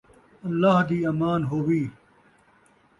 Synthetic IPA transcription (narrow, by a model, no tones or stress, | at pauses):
ɐlːaːɦd̪iːɐmaːnɦoːʋiː